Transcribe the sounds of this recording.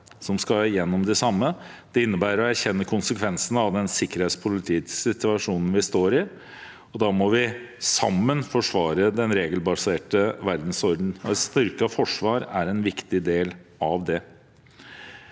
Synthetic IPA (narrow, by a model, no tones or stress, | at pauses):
sɔmskɑjɛnːɔmd̪ɛsɑmːə | d̪̥ɛɪnːəbæːɾɔæɾçɛnːəkʰʊnsəkʰʋɛnsənəɑʋd̪ɛnsɪkːəɾheːt̪spʰʊlɪt̪ʰiːsɪt̪ʉɑʂuːnən̩ʋɪst̪oːɾɪ | ɔd̪ɑːmɔʋɪ | sɑmːənfɔʂʋɑːɾəd̪ɛnɾeːɡəlbɑseːʈəʋæɾd̪n̩sɔɾd̪n̩ɔɛst̪ʏɾkɑfɔʂʋɑːɾæɾɛnʋɪkt̪ɪd̪eːlɑʋd̪ɛ